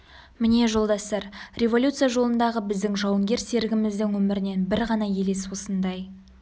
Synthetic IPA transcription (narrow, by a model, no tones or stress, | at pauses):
mɪne̞ʒo̞lˠd̪ɑst̪ɑɾrʲe̞vo̞lʲut̪sɨjaʒo̞lˠənd̪ɑʁəbɪzd̪ɪŋʒɑwəŋɡʲe̞ɾse̞ɾɪɡʲɪmɪzd̪ɪŋwɵmɪɾɪne̞nbɪɾʁɑnɑje̞le̞swo̞sənd̪ɑj